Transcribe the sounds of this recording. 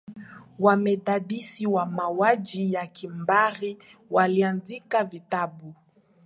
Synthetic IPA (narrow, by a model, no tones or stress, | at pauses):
wamɛɗaɗisiwamawad͡ʒijakimbaɾiwalianzikavitabu